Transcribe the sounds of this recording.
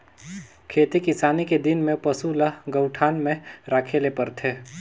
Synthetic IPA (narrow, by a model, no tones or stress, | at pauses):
kʰeːt̪ikɪsaːniked̪ɪnmẽpɐsulaɡɐʊʈʰaːnmẽɾaːkʰelepɐɾt̪ʰeː